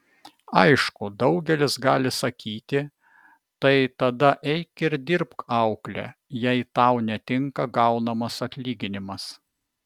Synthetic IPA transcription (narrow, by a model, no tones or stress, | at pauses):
ɐɪʃkʊd̪ɒʊɡʲɛlʲɪsɡɑːlʲɪsɐkʲiːt̪ʲɪ | t̪ɐɪt̪ɐd̪ɐʔɛɪkɪɾd̪ʲɪɾpkɐʊklʲɛ̰jɛɪt̪ɑʊnʲɛt̪ʲɪŋkɐɡɐʊnɐmɐsɐt̪ʲlʲiːɡʲɪnʲɪmɐs